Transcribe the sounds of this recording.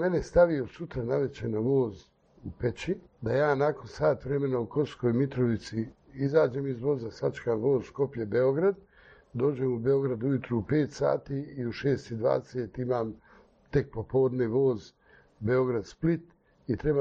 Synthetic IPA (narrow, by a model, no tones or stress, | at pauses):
me̞nest̪aʋijosut̪ɾanaʋe̞t͡ɕenaʋo̞ːz | upet͡ɕi | d̪ajaːnako̞nsaːt̪ʋɾe̞me̞nauko̞sko̞ːjmit̪ɾo̞ʋit̪si | izaːd͡ʒe̞ːmizʋo̞zasat͡ʃe̥kaːmʋo̞ːzsko̞pʎebeo̞ɡɾad̪ | d̪o̞ːd͡ʑeːmube̞o̞ɡɾad̪ujut̪ɾuːpe̞ːt̪sa̰ːt̪iːiuʃeːst̪id̪ʋa̰ːd̪eseːt̪imaːm | t̪e̞k̚po̞po̞ːd̪neʋo̞ːz | be̞o̞ɡɾad̪split̪ | it̪ɾe̞ba